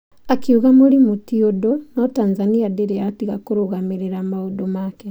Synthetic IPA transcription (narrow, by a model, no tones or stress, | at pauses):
akiuɣamuɾimutiodonɔtaːnzaniadeɾeatiɣakoɾoɣamiɾeɾamaudomaːke